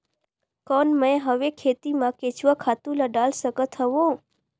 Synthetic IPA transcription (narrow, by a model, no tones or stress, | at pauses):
kɔnmə̃ẽɦəʋekʰet̪imãket͡ʃʋakʰat̪ũləɖalsəkət̪ʰəʋõ